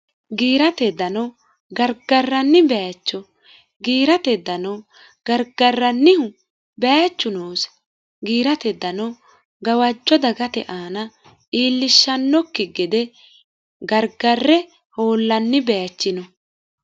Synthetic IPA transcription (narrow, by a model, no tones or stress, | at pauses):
ɡiːɾɐt̪ɛd̪ɐnɐ | ɡɐɾɡɐrːɐnːɪbɛjat͡ʃːɔ | ɡiːɾɐt̪ɛd̪ɐnɐw | ɡ̥ɐɾɡɐrːɐnːɪhʊ | bɛjat͡ʃːʊnoːs | ɡiːɾɐt̪ɛd̪ːɐnɔ | ɡɐwɐd͡ʒːɔd̪ɐɡɐt̪ɛ̰ʔaːnɐ | ʔiːlːɪʃːɐnːɔkːɪɡɛd̪ɛ | ɡɐɾɡɐrːɛ | ho̞ːlːɐnːɪbɛjat͡ʃːɪnɔ